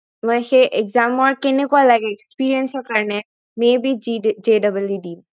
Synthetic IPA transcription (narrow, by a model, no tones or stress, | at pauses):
mɔjxeʔeɡzamɔɹkenekualaɡɛekspiɹiənsɔɹkaɹnɛ | mebid͡ʒedabəljudim